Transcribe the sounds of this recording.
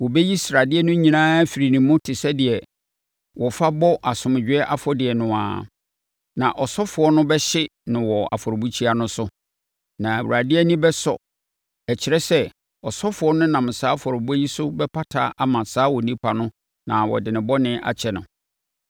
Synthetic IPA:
wɔ˨bɛ˦ji˦sɾa˨dɪ˦ɛ˦nʊ̃˦ɲĩ˨nãː˦fi˨ɾi˨nĩ˨mʊ̃˦tʰɪ˨sɛ˦dɪ˨ɛ˨ | wɔ˨fa˦bɔ˦ʔa˨sʊ̃˨m˨d͡ʑᶣɪ˦ɛ˦ʔa˦fɔ˦dɪ˨ɛ˨nʊ̃˨a̰˨ | nã˨ʔɔ˨sɔ˦fʊ˨ɔ˦nʊ̃˦bɛ˦ɕɪ˦nɪ̃˨wɔ˨a̰˨fɔ˨ɔ˨bu˦t͡ɕʰi˦a˦nʊ̃˦sʊ˦ | nã˨æ˨wṵ˨a˨dɪ˦ɛ˦nĩ˦bɛ˦sɔ̰˨ | ɛ˨t͡ɕʰɪ˨ɾɛ˦sɛ˦ | ɔ˨sɔ˦fʊ˨ɔ˦nʊ̃˦nã˨m˨saː˦fɔ˨ɾɔ˨bu˦ɛ˦ji˦sʊ˦bɛ˦pʰa˦tʰa̰ː˨˦ʔa˨mã˨saː˦wɔ˨nĩ˦pʰa˨nʊ̃˦ | nã˨wɔ̰˨dɪ˨nɪ̃˨bɔ˦nɪ̃˦ʔa̰˨t͡ɕʰɛ˨nʊ̰̃˨

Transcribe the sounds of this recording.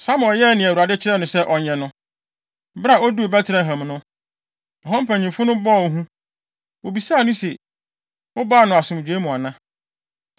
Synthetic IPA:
sa˦m˨ɔ˨jɛ˦˨nɪ̃˨æ˨wu˨a˨dɪ˦t͡ɕʰɪ˦ɾɛ˦nʊ̃˨sɛ˦ʔɔ˨ɲɛ̃˨nʊ̃˦ | ba˨ɔ˦du˦o˨bɛ˦tʰɪ˨ɾɛ˨ɦɛ̃˨mnʊ̃˦ | ɔ˨ɦɔ̃˦m̩˦pʰæ̃˨ɲĩ˨fʊ˦nʊ̃˦bɔ˦˨˦ɦũ˦ | wo˨bi˨saː˦˨nʊ̃˦sɛ˨ | ʊ˦ba˦˨nʊ̃˨a˨sʊ̃˨m˨d͡ʑᶣe˦mũ˨a˨nã˦

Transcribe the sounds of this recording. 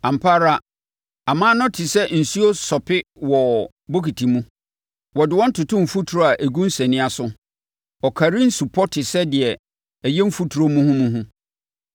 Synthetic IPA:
ã˨m̩pʰaː˦ɾa˦ | a˨mã˦nʊ̃˦tʰi˨sɛ˦n̩˨su˦o˦sɔ˨pʰɪ˦wɔ˨ | bo˦ki˨tʰi˨mũ˦ | wɔ˨dɪ˨wɔ̃˦n̩˦tʰʊ˨tʰʊ̃˦˨m̩˨fu˦tʰu˨ɾo˦a˨ʔæ˨ɡũ˦n̩˦sɛ˨nɪ̃˦a˦sʊ˦ | ɔ˨kʰa˨ɾĩ˦n̩˦su˨pʰɔ˦tʰɪ˨sɛ˦dɪ˨ɛ˨ | ɛ˨jɛ˦m̩˦fu˦tʰu˨ɾo˦mũ˦hʊ̃˦mũ˦ɦʊ̃˦

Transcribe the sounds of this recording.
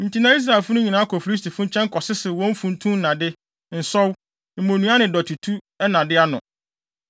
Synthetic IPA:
n̩˨tʰi˨nã˦i˦s̬ɾa˨ɛ˨lfʊ˦nʊ̃˦ɲĩ˨nãː˨˦kʰɔ˨fu˨ɾi˦s̬tʰi˨fʊ̃˦ɲ̩˦t͡ɕʰɛ̃˦ŋ˦kʰɔ˨sɪ˦sɪ˨wɔ̃˦m̩˦fũ˨n̩˦tʰũ˦nã˨dɪ˦ | n̩˨sɔ˦w | m̩˨mõ˨nũ˦a˦nɪ̃˨dɔ˨tʰu˨tʰu˦ | ɛ˦nã˨dɪ˦a˦nʊ̰̃˨

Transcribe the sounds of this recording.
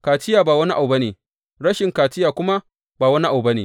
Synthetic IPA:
kaː˨tɪ˦jaː˨baː˨wɐ˦ni˦ʔa˨wbɐ˦neː˨ | ɽɐ˦ʃɪ˨ŋkaː˨tɪ˦jaː˨kʷʊ˦ma˦ | baː˨wɐ˦ni˦ʔa˨wbɐ˦neː˨

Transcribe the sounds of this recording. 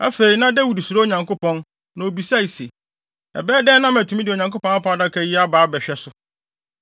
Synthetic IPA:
a˦fe˨ɾi˨nã˦dɛ˦wu˨di˨su˨ɾo˦o˦˨ɲã˨ŋko˦pɔ̃˦n | nã˨o˨bi˨sa˦i˨sɛ˨ | ɛ̰˨bɛː˦dɛː˦nã˦mæ˨tʰũ˨˦mĩ˦dɪ˨o˨ɲã˨ŋko˦pɔ̃˦na˦pʰã˨˦a˦da˦kʰɛ˦ji˦a˦baː˨˦bɛ˨ɕᶣɛ˦sʊ˨

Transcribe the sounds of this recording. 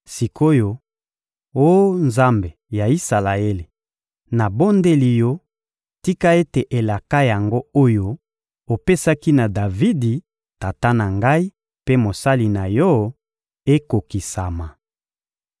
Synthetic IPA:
si˨ko˦jo˨ | o˦nza˦mbe˨ja˨i˦sa˨la˨e˦le˨ | na˨bo˦nde˦li˨jɔ˦ | ti˦ka˦e˦te˨ʔe˨la˨ka˦ja˨ŋɡo˦o˦jo˦ | o˨pe˦sa˦ki˦na˨da˨vi˦di˨ | ta˨ta˦na˨ŋɡa˦i˦ | pe˦mo˨sa˦li˨na˨jɔ˦ | e˦ko˨ki˨sa˨ma˨

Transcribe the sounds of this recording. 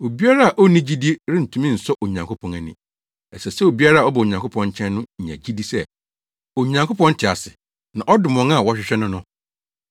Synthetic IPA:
o˨bi˦a˦ɾa˦a˨ʔɔ˦nĩ˦d͡ʑi˦di˦ɾɪ̃˦n̩˨tʰũ˦mĩ˦n̩˨sɔ˦ʔo˨ɲã˨ŋkʰo˦pʰɔ̃˨næ˨nɪ̰̃˨ | ɛ˨sɛ˨sɛ˦o˨bi˦a˦ɾa˦˨ɔ˦bɔ˨o˨ɲã˨ŋkʰʊ˦pʰɔ̃˨˦ɲ̩˦t͡ɕʰɛ̃˦nːʊ̃˦ɲ̩˨ɲæ̰̃˨d͡ʑi˦di˦sɛ˦˨ | o˨ɲã˨ŋkʰo˦pʰɔ̃˦n̩˦tʰɪ˨a˨sɪ˨ | nã˨ʔɔ˦dɪ˨mɔ̃˨˦ŋa˦˨wɔ˦ɕᶣɪ˨˦ɕᶣɛ˦nʊ̃˦nʊ̃˦

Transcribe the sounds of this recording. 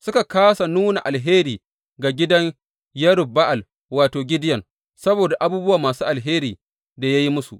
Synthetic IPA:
sʊ˦ka˨kaː˦sa˨nuː˦na̰˨ʔa˨lɦeː˦ɾiː˨ | ɡa˨ɡʲɪ˦dɐ˦ɲ | jɐ˦ɾʊ˨bba˦ʔa˨l | waː˨toː˨ɡʲɪ˦dɪ˦jɐ˨n | sɐ˦boː˨da˨ʔa˦buː˦bʊ˦wa˨maː˨suː˦ʔa˨lɦeː˦ɾiː˨ | da˨ja˦ji˦mʊ˦su˨ʔ

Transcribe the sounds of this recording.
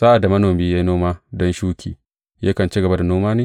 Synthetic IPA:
saː˦ʔa˨da˨mɐ˦noː˨miː˦ja˦jnoː˦maː˦dɔ˦nʃuː˦kʲḭː˨ | ja˦kɐ˨nt͡ʃi˦ɡɐ˨ba˦da˨noː˦maː˦neː˦

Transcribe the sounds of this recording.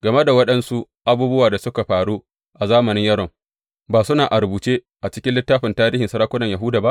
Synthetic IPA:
ɡɐ˨me˦da˨wɐ˦ɗɐ˦nsu˦ʔ | ʔa˦buː˦bʊ˦waː˨da˨sʊ˦ka˨ɸaː˨ɽu˦ | ʔa˨zaː˦mɐ˨nɪ˦ɲjɐ˦ɽɔ˨ŋ | baː˨sʊ˦naː˨ʔa˨ɾbuː˨t͡ʃeː˦ | ʔa˨t͡ʃɪ˦kʲɪ˦lɪ˦tːaː˦ɸɪ˨ntaː˦ɾiː˦hɪ˨nsɐ˦ɾaː˦kʷʊ˦nɐ˨ɲja˨ɦuː˦daː˨ba˦ʔ

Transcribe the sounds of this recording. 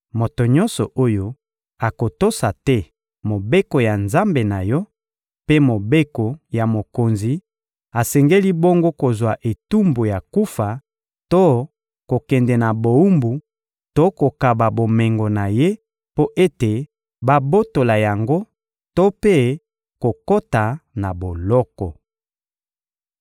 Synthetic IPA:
mo˨to˨ɲɔ̃˦nsɔ˨ʔo˦jo˦ | a˨ko˨to˦sa˨tɛ˦ | mo˨be˦ko˨ja˨nza˦mbe˨na˨jɔ˦ | pe˦mo˨be˦ko˨ja˨mo˨ko˨nzi˨ | a˨sɛ˨ŋɡe˦li˦bo˦ŋɡo˦ko˨zwa˨ʔe˨tu˦mbo˨ja˨ku˦fa˨ | to˦ | ko˨kɛ˨ndɛ˨na˨bo˨u˦mbu˨ | to˦ko˨ka˨ba˨bo˨mɛ˨ŋɡo˨na˨je˦ | po˦ʔe˦te˨ | ba˦bo˦to˨la˨ja˨ŋɡo˦ | to˦pe˦ | ko˨ko˦ta˨na˨bo˨lɔ˦kɔ˨

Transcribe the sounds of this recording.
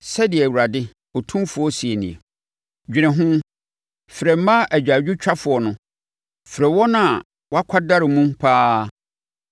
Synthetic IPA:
sɛ˦dɪ˨ɛ˨wu˨ɾa˨dɪ˦ | ɔ˨tʰũ˦fʊ˨˦ɔ˦si˨e˨nɪ̃˨ɛ̰˨ | d͡ʑᶣi˨ɛ̃˨ɦʊ̃˦ | fɪ˨ɾɛ˨m̩˦mã˦ʔæ˨d͡ʑᶣa˨d͡ʑᶣʊ˦t͡ɕᶣa˦fʊ˨ɔ˨nʊ̃˦ | fɪ˨ɾɛ˨wɔ˦nã˦˨ | wɔ˦a˦kʷʰa˦da˦ɾɪ˨mũ˦mpʰaː˦

